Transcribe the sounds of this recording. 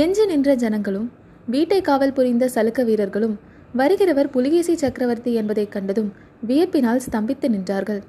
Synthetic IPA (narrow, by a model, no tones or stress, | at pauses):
ɛɲd͡ʒɯnɪndrɐd͡ʒɐnɐŋɡɐɭɯm | ʋiːʈːɐɪkːaːʋɐlpʊɾɪnd̪ɐsɐlɯkːɐʋiːɾɐɾɣɐɭɯm | ʋɐɾɯɣɪɾɐʋɐɾpʊlɪɣeːsit͡ʃːɐkɾɐʋɐɾt̪iɛnbɐðɐɪkːɐɳɖɐðɯm | ʋɪjɐpːɪnaːlst̪ɐmbɪt̪ːɯnɪndraːɾɣɐɭ